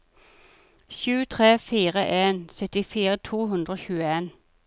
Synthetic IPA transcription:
sʉːt̪ʰʁeːfiːʁəʔeːnsœt̪ɪfiːʁət̪ʰuːɦʉnd̪ʁəoːçʉːəeːn

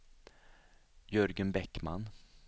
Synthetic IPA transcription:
jɵɾɡənbɛkːma̰n

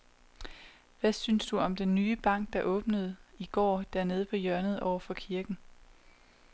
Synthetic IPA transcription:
ʋæsynsd̥uɒ̽md̥enːyːb̥ɑ̈ŋ̰ɡ̥̚d̥ɑ̈ʔɔ̽ːb̥nəð̞̩ˠiɡ̥ɒ̰ːd̥æɐ̰ne̝ð̞ˠəpʰɒ̽jɶɐnð̞̩ˠɒʊ̰ɐfɒ̽kʰiɐɡ̥n̩

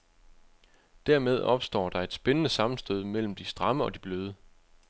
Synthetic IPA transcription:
d̥æɐmeð̞ˠɒ̽b̥sd̥ɒ̰ːd̥ɑ̈e̝d̥sb̥enənəsɑ̈mn̩sd̥øðˠəmel̰m̩d̥isd̥ʁɑ̈məɒ̽d̥ib̥løːð̞ˠə

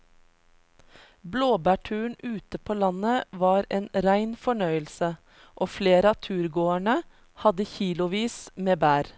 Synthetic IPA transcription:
bloːbæːʈʰʉːɳʉːt̪əpʰoːlɑnəʋɑːɾeːnɾæɪnfɔɳœʏəlsə | ʔoːfleːɾəɑːt̪ʰʉːɾɡoːæɳə | hɑd̪əçiːlʊʋiːsmeːbæːɾ

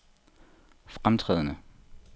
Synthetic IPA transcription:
fʁamt͡sʰʁɛ̰ːð̞ˠənə

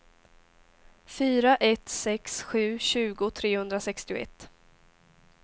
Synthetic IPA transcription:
fyːɾaʔɛt̪sɛksɧʉ̟ːɕʉ̟ːɡʊt̪ʰɾeːhɵnd̪ɾasɛkst̪ɪʊ̰ɛ̰t̪ː

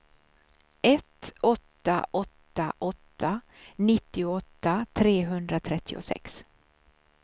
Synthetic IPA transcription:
ʔɛt̪ɔt̪ːa̰ʔɔt̪ːaʔɔt̪ːa | nɪt̪ːɪʊɔt̪ːat̪ʰɾeːɦɵnd̪ɾat̪ʰɾɛt̪ʰːɪʊ̰sɛ̰ks

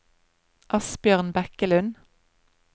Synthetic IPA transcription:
ʔɑsbjøːʁnbɛkəlʉn

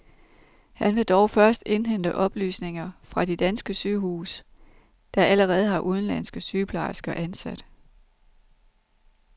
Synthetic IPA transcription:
hænʋe̝d̥ɒʊfɶɐsd̥e̝nɦen̰d̥əʔɒ̽b̥ly̰ːsne̝ŋɐfʁɑ̈d̥id̥ænsɡ̥əsyːɦuːs | d̥ɑ̈ʔæləʁɛːð̞̩ˠɦɑ̈ʔuð̞ˠn̩læn̰sɡ̥əsyːpʰlɑ̈ɪsɡ̥ɐʔænsæd̥

